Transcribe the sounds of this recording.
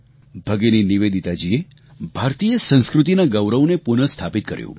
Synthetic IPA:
bʱəɡeniniʋed̪it̪ad͡ʒie | bʱaɾt̪ijəsə̃nskɾut̪inaɡəwɾəʋnepunəst̪ʰapit̪̚kə̰ɾjṵ̃

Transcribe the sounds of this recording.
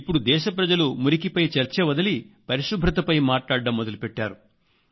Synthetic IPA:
ipːuɽud̪ɛːʃɐpɾɐd͡ʒɐlumuɾikipɐjt͡ʃɐɾt͡ʃeʋɐd̪ɐlipɐɾiʂubʱɾɐt̪ɐpɐjmaːʈlaːɽɖɐmːɔd̪ɐlupɛʈːaːɾu

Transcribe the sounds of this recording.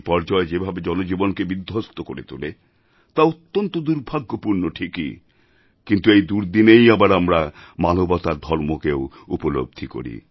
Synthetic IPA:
pɔɾd͡ʑɔed͡ʑebʱabed͡ʑɔnod͡ʑibonkebid̪ʱːost̪okoɾḛt̪ule | t̪aot̪ːont̪od̪uɾbʱaɡːopuɾnoʈʰikḭ | kint̪uejd̪uɾd̪inejabaɾamɾamanobɔt̪aɾd̪ʱɔɾmokeo | upolo̰b̚d̪ʱiko̰ɾḭ

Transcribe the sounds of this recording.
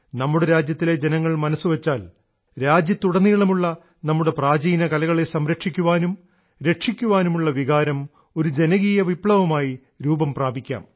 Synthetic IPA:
nɐmːuɽeɾaːd͡ʑjɐt̪ːile̞d͡ʑe̞nɐŋːɐɭmɐnɐsːuʋɐt͡ɕːaːl | ɾaːd͡ʑjɐt̪ːuɽɐnːiːɭɐmuɭːɐ | nɐmːuɽe̞praːd͡ʑiːnɐkɐlɐɣɐɭesɐmɾɐkʂikʲːuʋaːnum | ɾe̞ʈʂikʲːuʋaːnumuɭːɐʋiɣaːɾɐm | o̞ɾud͡ʑe̞nɐɣijɐʋipɭɐʋɐmaːji | ɾuːbɐmpraːbikʲːa̰ːm

